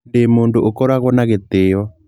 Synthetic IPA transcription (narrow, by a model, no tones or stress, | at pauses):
ndemondoʔokɔɾaɣwɔnaɣet̪ɪɔ